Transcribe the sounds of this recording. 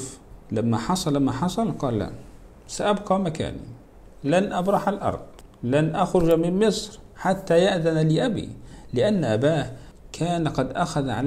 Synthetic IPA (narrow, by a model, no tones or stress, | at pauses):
lamːaħɑsˤɑlamːaħɑsˤɑlqɑːlːa̰ | saʔabqɑːmaka̰ːnḭ | lanʔabɾˤɑħalʔɑ̰ɾˤd̪̥ˤlanʔaxɾʊd͡ʒamɪmmɪsˤɾħat̪ːajaʔðanlɪʔabḭːlɪʔanːʔabaːh | kʰaːnqɑd̪ʔaxaðʕa̰l